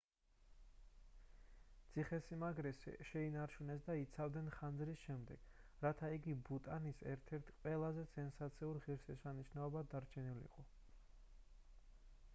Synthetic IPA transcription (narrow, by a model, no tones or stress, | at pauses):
t̪sʰiχɛsimaɡɾɛsʃɛinaɾt͡ʃʰunɛsd̪ait̪sʰavd̪nɛnχand̪zɾisʃɛmd̪ɛ̰ɡ̥ | ɾat̪ʰaiɡibut̪ʼanisɛɾt̪ʰɛɾt̪ʰqʼwɛlˠazɛsɛnsat̪sʰiuɾʁiɾsɛsaniʃnaɔbad̪aɾt͡ʃʰɛnilḭqʼɔ